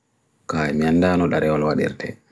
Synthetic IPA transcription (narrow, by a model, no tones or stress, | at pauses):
kaːjmianːdaːnɔɗaɾɛwɔlwaɗḭɾtʰɛ̰